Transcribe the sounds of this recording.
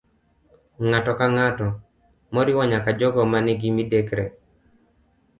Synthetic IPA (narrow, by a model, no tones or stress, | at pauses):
ŋatɔkaŋatɔ | mɔɾɪwɔɲakad͡ʒɔɡɔmanɪɡimidekɾe